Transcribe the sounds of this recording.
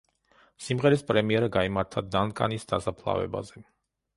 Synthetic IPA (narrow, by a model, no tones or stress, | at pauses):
simʁɛɾispʼɾɛmiɛɾaɡaimaɾt̪ʰad̪ankʼa̰nisd̪̥asapʰlˠa̰vɛ̰ba̰zɛ